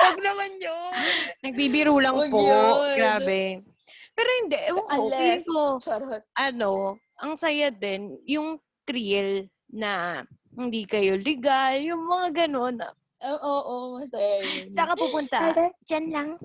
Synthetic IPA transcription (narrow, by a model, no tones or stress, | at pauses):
wɐɡ̚nɐmanɲonɐɡ̚bibɪɾuːlɐŋpoɡɾaːbɛ | pɛːɾohɪnd̪ɛʔɐkoik̪oɾʔɐno̞ | ʔɐŋsɐjad̪ɛnjʊŋ | t̪ɾil | nɐ | hɪnd̪iːkɐjolɪɡaljʊŋmɐŋaɡɐno̞nɐ̰ | ʔoːʔomɐsajajsɐkɐpupʊnt̪ɐd͡ʒanlaŋ